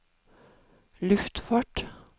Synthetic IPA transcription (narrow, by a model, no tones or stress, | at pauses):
lʉft̪fɑʈ